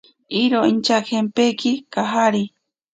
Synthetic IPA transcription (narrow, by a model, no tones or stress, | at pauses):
iɾoint͡ʃakempekikaɦaɾi